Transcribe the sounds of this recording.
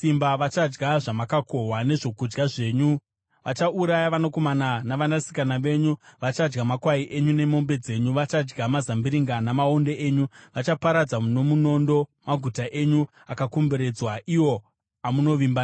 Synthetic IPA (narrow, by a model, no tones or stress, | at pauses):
simbaʋat͡ʃad͡ʒɡaʐamakako̞ɦwane̞ʐo̞kud͡ʒɡaʐe̞ːɲu | ʋat͡ʃaʔuɾajaʋanako̞mananaʋanasi̥kanaʋe̞ɲuʋat͡ʃad͡ʒɡamakwaiʔe̞ɲune̞mo̞mbe̞d͡ze̞ɲuʋat͡ʃad͡ʒɡamazambiɾiŋɡanamaonde̞eːɲuʋat͡ʃapaɾad͡zamuno̞muno̞ndo̞maɡʱutaʔeɲu | akakombeɾe̞d͡zwaʔiwo̞ | amuno̞ʋimban